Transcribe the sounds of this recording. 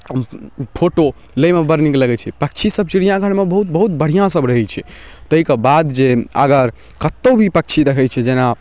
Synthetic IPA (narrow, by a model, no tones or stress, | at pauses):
pʰoʈo | ləjmebəɾnikləɡɛt͡ʃʰɛpək̚t͡ʃʰisəb̚t͡ʃiɽijãɡʱəɽmebəɦut̪bəɦut̪̚bəɽ̤ijãsəbɾəɦɛt͡ʃʰɛt̪əɦikebad̪d͡ʒeə̰ɡəɾ | kət̪ːəbʱipək̚t͡ʃʰid̪ekʰɛt͡ʃʰɛd͡ʒena